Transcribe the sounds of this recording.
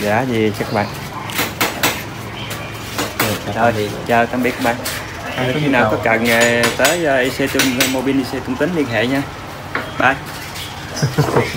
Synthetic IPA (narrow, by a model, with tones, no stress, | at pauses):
za̰ː˧˨zi˨˩t͡ɕa˨˦kːɓa̰ː˧˨n˩˧ | zɔ˨˩jt͡ɕaː˧˩kaː˧mɓi˦˥əkːɓa̰ː˧˨n˨˦ | xi˧naː˨˩kɔ˨˦ka̰˧˨˩ne˨˩t̪əː˨˦jːʔi˧se˧t͡ɕʊ˧ŋ͡mmo˧ɓi˧nʔi˧se˧t͡ɕʊ˧ŋ͡mt̪ï˨˦ŋ̟li˧ənɦḛ˧˨ɲaː˧ | ɓa˧˩j